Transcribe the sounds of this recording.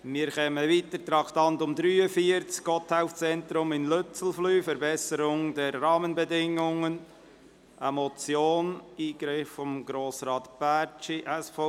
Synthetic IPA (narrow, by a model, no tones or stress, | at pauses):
mɪːɾkɛməviːt̪əɾtɾɑktɑntʊmdɾyːəfiəɾt͡skɡɔtʰhaʊft͡sɛntɾʊmɪnløt͡sl̩flyːfəɾbɛsəɾʊŋdɛɾːɑːmənbɛdɪŋʊŋən | ʔəmɔt͡sjoːniːɡɾɪfːɔmɡɾoːsɾɑːt̪b̥æt͡ʃiʔɛsfo